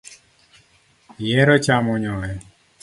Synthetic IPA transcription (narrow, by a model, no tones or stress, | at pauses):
jɛɾɔt͡ʃamɔɲɔɛ